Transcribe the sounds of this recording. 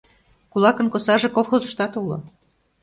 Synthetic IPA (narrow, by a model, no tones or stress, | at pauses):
kulɑkənkosɑʒe̽kolˠxozə̆ʃt̪ɑt̪ulo̰